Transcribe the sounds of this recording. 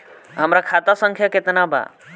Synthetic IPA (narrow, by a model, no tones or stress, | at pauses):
ɦəmɾakʰat̪asəŋkʰjaket̪naba̰